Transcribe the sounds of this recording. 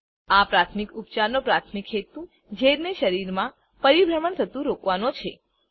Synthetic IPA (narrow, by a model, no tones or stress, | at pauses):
apɾat̪ʰmikupt͡ʃaɾnopɾat̪ʰmikʰɦet̪ũ | d͡ʒʱeɾneʃəɾiɾmã | pəɾibɾəməɳt̪ʰət̪ũɾokʋanot͡ʃʰe